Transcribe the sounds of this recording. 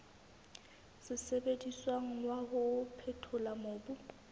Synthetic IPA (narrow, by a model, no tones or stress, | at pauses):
sɪsebediswaŋ̩wahʊpʰɛtʰʊlamoːbʊ